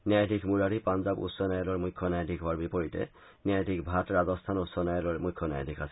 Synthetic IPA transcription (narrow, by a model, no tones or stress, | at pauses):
njajadʱikmuɹaɾipanzabṵsɔnajɔlɔɹmujkʰːɔnajadʱikɦʊwaɹbipɔɹitɛ̰ | njajtikbʱatɹazɔstʰanusɔnajɔlɔɛmujkʰːɔna̰ja̰dʰʱikasɛ̥